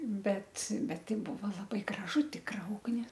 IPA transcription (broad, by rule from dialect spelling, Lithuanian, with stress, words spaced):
ˈbʲɛt ˈbʲɛt ˈtɐɪ ˈbʊʋoː lˠɐˈbɐɪ ɡrɐˈʒʊ ˈtʲɪkrɐ ˈʊɡnʲɪ